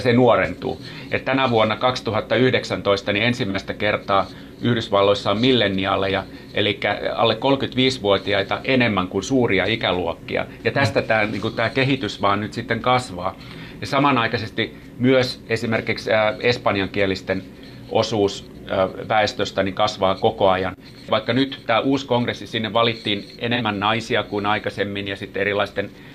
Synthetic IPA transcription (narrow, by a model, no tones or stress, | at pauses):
jsenuorent̪ṵː | ḛt̪t̪ænæʋuonːɑkɑkst̪uhɑt̪ːɑyhdeksænt̪oist̪ɑniensimːæist̪ækert̪ɑː | ʔyhdysʋɑlːoisːɑommilːenːiɑlːejɑ | ʔḛlikːæɑ̰lːekkolkyt̪ʋiːsʋuot̪iɑit̪ɑʔenemːæŋkunsuːriɑikæluokːḭɑ̰jɑt̪æst̪æt̪æːniːŋkut̪æːkeɦit̪ysʋɑːnnyt̪sit̪ːeŋkɑsʋɑː | jɑsɑmɑnɑikɑsest̪i | myøsesimerkiksəːespɑniɑŋkielist̪en | ʔosuːsː | ʋæest̪øst̪æniŋkɑsʋɑːkokoɑjɑn | ʋɑikːɑnyt̪t̪æːʔuːskoŋkresːisinːeʋʋɑlit̪ːiːn | enemːænnɑisiɑkuinɑikɑsemːinjɑsit̪ːerilːˑɑist̪en